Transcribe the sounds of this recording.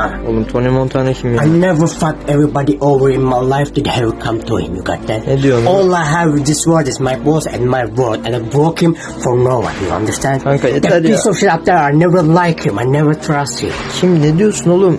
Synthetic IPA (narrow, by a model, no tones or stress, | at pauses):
o̰lˠumt̪ʰonimõnt̪ʰanɯkʰimaɪnɛvə˞fãkɛvɹibɑdiʔovə˞ɪ̃nmaɪlaɪfd̥ɪdhɛvəkʰʌ̃mtṵhɪ̰̃mjṵɡɑ̰t̪̚d̪ɛtnɛd̪ijonɔːlˠaɪɦævɪd̪ɪswɜ˞dɪzmaɪbɔsɛ̰̃nmaɪwɜ˞dɛ̃naɪbɹokhɪ̃m | fɔɹnowʌ̰̃njṵã̰ndə˞stæ̃ndãŋkajɛd̪əisɔʃɪtap̚d̪ə˞aɪnɛvə˞laɪkhɪ̃maɪnɛvə˞t̪ʰɹʌst̚hɪ̰̃mʃimined̪ijosunolˠum